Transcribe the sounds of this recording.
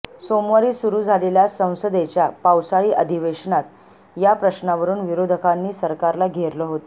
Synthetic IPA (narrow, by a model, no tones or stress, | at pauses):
somʋaɾiːsuɾuːd͡zʱaleljasə̃w̃səd̪et͡ɕjapawsaɭiːʔəd̪ʱiʋeɕnat̪ | japɾəɕnaʋəɾuːnʋiɾod̪ʱəkanːiːsəɾkaɾlaɡʱeɾləɦot̪o